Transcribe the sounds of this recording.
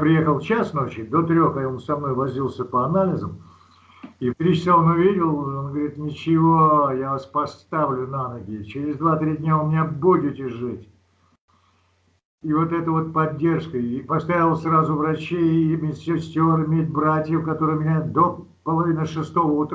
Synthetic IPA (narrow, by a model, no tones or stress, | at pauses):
pɾʲɪjexəlˠt͡ɕasno̞t͡ɕɪd̪ot̪ɾʲo̞xaonsɐmno̞jvɐzʲilˠsʲəpəɐnalʲɪzəm | ift̪ɾʲit͡ɕɪ̥saonʊvʲidʲɪlˠonɡəvɐɾʲit̪nʲɪt͡ɕɪvojavaspɐst̪avlʲʊnanəɡʲɪt͡ɕɪɾʲɪzd̪vat̪ɾʲidʲnʲavʊmʲɪnʲabudʲɪtʲɪʐɨtʲ | ivot̪ɛt̪əvo̞t̪̚pɐdʲːe̞rʂkəipɐst̪avʲɪlˠsʲrazʊvɾɐt͡ɕejmʲetʲsʲɪsʲtʲo̞ɾɨmʲet̬̚ʲbɾatʲjəfkɐt̪oɾɨjmʲɪnʲad̪o | pəlˠɐvʲinəʂɨst̪o̞vəʊt̪